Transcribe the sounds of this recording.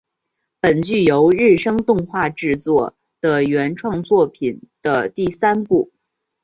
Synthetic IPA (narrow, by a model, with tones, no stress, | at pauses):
pə˨˩nt͡ɕy˥˩jo˧˥ʊɻɻ̩˥˩ʂɤ˥ŋt̪ʊ˥˧ŋxwa˥˧ʈ͡ʂɻ̩˥˧t͡swɔ˥˩ | d̪̥ə˧ɥɛ˧˥nʈ͡ʂʰwɑ˥˧ŋt͡swɔ˥˩pʰi˨˩nd̪̥ə˦t̪i˥˩sa˥npu˥˩